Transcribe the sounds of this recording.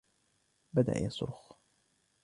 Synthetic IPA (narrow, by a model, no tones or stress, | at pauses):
bad̪a̰ʔjasˤʊ̰ɾx